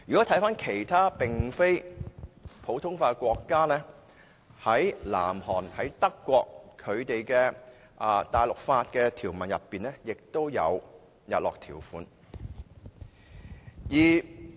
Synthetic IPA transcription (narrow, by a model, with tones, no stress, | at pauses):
jyː˨˩kɔ˨˥t̪ʰɐ˨˥jfaː˥nkʰe˨˩jt̪ʰaː˥pɪ˨ŋfe˥j | pʰo˨˥wt̪ʰʊ˥ŋfaː˧kʷɔː˧kːaː˥lɛː˥ | hɐ˨˥jla̰ː˨˩mhɔː˨˩nhɐ˨˥jt̪ɐ˥kːʷɔː˧k̚kʰɵ˨˧ɥt̪e˨jkɛː˧ | ʔt̪aː˨jlʊ˨k̚faː˧t̚kɛː˧t̪ʰiː˨˩wmɐ˨njɐ˨pːiː˨nlɛː˥jɪ˨k̚t̪o˥wjɐ̰˨˧w | jɐ̰˨t̚lɔː˨k̚t̪ʰiː˨˩wfuː˨˥n | jiː˨˩